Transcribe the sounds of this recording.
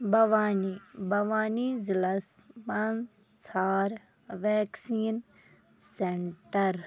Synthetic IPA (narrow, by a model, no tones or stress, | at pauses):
bɐʋaːnibɐʋaːnizilɐsmɐn | t͡sʰaːɾ | ʋeːksiːn | seɳʈɐɾ